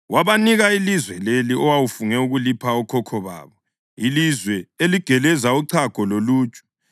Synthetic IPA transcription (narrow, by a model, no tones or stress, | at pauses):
waβaniɣailizwɛleliʔɔwawufuŋɛuɣulipʰaɔkʰɔkʰɔβa̰ːβɔ | ilizwɛeliɡ̥ʱɛlɛzauǀʰaɡ̥ʱɔloluːt͡ʃʼu̥